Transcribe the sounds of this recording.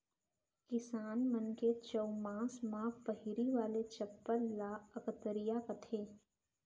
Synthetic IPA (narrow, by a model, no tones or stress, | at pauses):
kɪsaːnmənket͡ʃəwmãːsmãːpəɦɪɾiʋaːlet͡ʃɐpːəɾlaːəkt̪əɾijakɐt̪ʰeː